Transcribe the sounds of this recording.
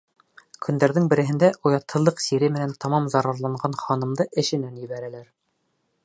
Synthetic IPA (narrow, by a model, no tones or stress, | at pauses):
kʰɵ̆nd̪æɾðɘŋbɘ̆ɾɘ̆ɦɘ̆nd̪æʔujɑt̪ʰːɤ̆lˠːɤqsiɾɘmɘ̆nænt̪ɑmɑmzɑɾɑɾlˠɑɴɢɑnχɑnɤ̆md̪ɤʔɘ̆ʃɘ̆nænjɘ̆βæɾælæɾ